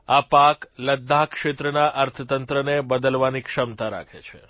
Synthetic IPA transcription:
apakləd̪ʱːakʃet̪ɾənaʔəɾt̪ʰət̪ənt̪ɾənebəd̪əlʋanikʃəmt̪aɾa̰kʰḛt͡ʃʰe

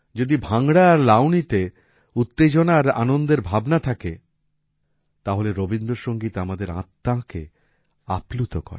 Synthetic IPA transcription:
d͡ʑod̪ibʱaŋɽaaɾlawnit̪e | ut̪ːed͡ʑonaɾa̰nond̪eɾbʱabnat̪ʰake | t̪aɦoleɾobind̪ɾoɾʃoŋɡit̪amad̪eɾã̰t̪ːake | aplut̪okɔ̰ɾe

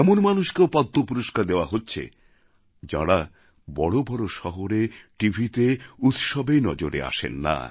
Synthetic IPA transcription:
ɛmonmanuʃkeopad̪ʱːopuɾoʃkaɾd̪eoaɦotːɕʰḛ | d͡ʑa̰ɽa | bɔɽobɔɽoʃɔɦoɾeʈibʱit̪eut̪ʃɔbenɔd͡ʑoɾḛa̰ʃḛnːa̰

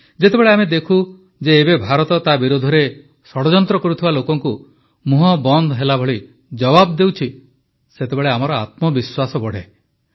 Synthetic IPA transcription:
d͡ʒet̪ebeɭeamed̪ekʰu | d͡ʒeːbebʱaɾɔt̪ɔt̪abiɾod̪ʱɔɾe | sɔɽɔd͡ʒɔnt̪ɾɔkɔɾut̪ʰibalokɔŋku | muɦɔbɔnd̪ʱɔɦelabʱɔɭi | d͡ʒɔbabd̪ewt͡ʃʰi | set̪ebeɭeamɔɾɔa̰t̪mɔbiswasɔbɔɽ̤e

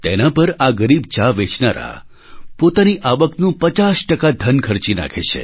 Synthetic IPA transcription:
t̪enapəɾaɡəɾibt͡ʃaʋet͡ʃnaɾa̰ | pot̪aniʔaʋəknũpət͡ʃasʈəkad̪ʱənkʰəɾt͡ʃina̰kʰḛʃʰḛ

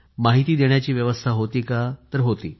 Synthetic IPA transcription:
maɦit̪iːd̪eɳ̃jat͡ɕiːʋjəʋəst̪ʰaɦot̪iːkat̪əɾɦot̪ḭː

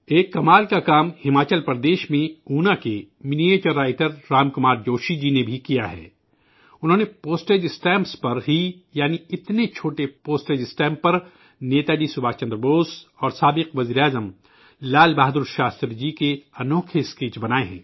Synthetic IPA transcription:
eːkːɐmaːlkakaːmhɪmaːt͡ʃəlpɾɐd̪eːʃmẽuːnake | mɪnieːt͡ʃəɾːaːɪʈəɾːaːmkʊmaːɾd͡ʒoːʃid͡ʒinebʱikijaɦɛ̰ː | ʊnɦõːnepoːsʈeːd͡ʒɪsʈɛ̃ːmpspɐɾɦijaːniɪt̪net͡ʃʰoːʈepoːsʈeːd͡ʒɪsʈɛ̃ːmpːɐɾ | neːt̪aːd͡ʒisʊbʱaːt͡ʃɐ̃nd̪ɾəboːsɔːɾsaːbɪqʋɐziːɾeaːzəm | laːlbaːɦd̪uːɾʃaːst̪ɾd͡ʒikeɐnoːkʰeskiːt͡ʃbɐnaːeɦɛ̰̃ː

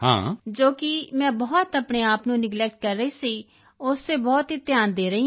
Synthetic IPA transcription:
hã̰ːd͡ʒoːkɪmɛ̃ːbɔːt̪əpɳeːaːpnũːnɪɡlɛːk̚ʈ̚kəɾːəiːsiː | ʊst̪eːbɔːt̪ɦiːt̪jaːnd̪eːɾəiː

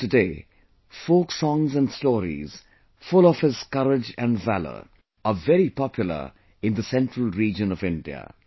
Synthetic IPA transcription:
tɨdeː | foːksɔ̃ŋzæ̃nstɔːɾḭz̥ | fʊlɔv̥hɪz̥kʌɾɪd͡ʒæ̃nvælə̰˞ | ʔəvɛɾipɔpʰjʊl̩ə̰ | ɪ̃nd̪əsɛ̃ntɹəlˠɹiːd͡ʒə̃nɔvɪ̃ndiə̰

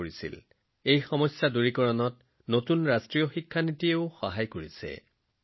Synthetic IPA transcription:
oɹisḭl | ejxɔmɔjsjaduɹikɔɹɔnɔt̚ | notunɹastɹijɔxikʰːanitieʊxɔɦajkoɹisɛ̰

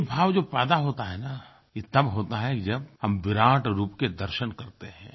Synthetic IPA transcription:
bʱaːʋd͡ʒoːpɛːd̪aɦoːt̪aɦɛna | jet̪ɐbɦoːt̪aɦɛkd͡ʒɐb̚hɐmʋɪɾãːʈɾuːpked̪ɐɾʃənkɐɾt̪eɦɛ̃ː

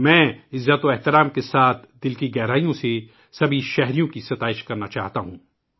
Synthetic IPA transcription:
mɛ̃ːɪzːət̪oɛɦt̪ɪɾaːmkesaːt̪ʰd̪ɪlkiɡɛːɾaːijõse | sɐbʱiʃɛɦɾijõkisɐt̪aːɪʃkɐɾnat͡ʃa̰ːɦt̪aɦũː

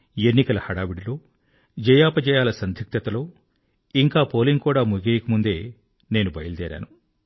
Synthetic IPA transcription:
enːikɐlɐhɐɽaːʋiɽilo̞ː | d͡ʒɛjaːpɐd͡ʒɛjaːlɐsɐnd̪ʱik̚t̪ɐt̪ɐlo̞ː | iŋkaːpo̞ːliŋɡkuːɽaːmuɡeːjɐkɐmund̪e̞ː | ne̞ːnubɐjɐld̪ɛ̰ːɾa̰ːnu

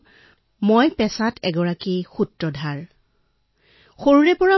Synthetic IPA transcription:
mojpɛsatɛɡɔɹakixutɹɔdʱaɹ | xoɹuɹɛpɔɹa

